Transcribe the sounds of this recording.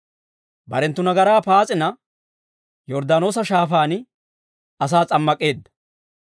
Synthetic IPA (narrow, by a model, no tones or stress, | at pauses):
bɐ̰ɾɛnt̪ːʊnɐɡɐɾaːpaːt͡sʼɪnɐ | jɔɾd̪aːno̞ːs̬ɐʃaːfaːnɪ | ɐs̬aːt͡sʼɐmːɐkʼːe̞ːd̪ːɐ̥